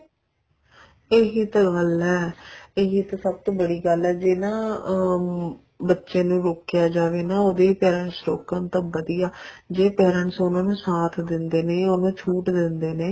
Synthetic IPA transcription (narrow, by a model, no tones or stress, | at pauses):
eːɦiːt̪ãːɡəlɛːeːɦiːt̪aːsəb̚t̪õːbəɽiːɡəlɛːd͡ʒenãː | bətːʃẽːnũːɾoːkɪjaːd͡ʒaːʋeːnãːoːd̪eːpɛːɾəɳsɾoːkãnt̪ãːbəd̪ijaːd͡ʒeːpɛːɾəɳsoːnãːnũːsaːt̪ʰd̪ɪnd̪eːnẽːonõːt͡ʃʰuːʈd̪ɪnd̪eːneː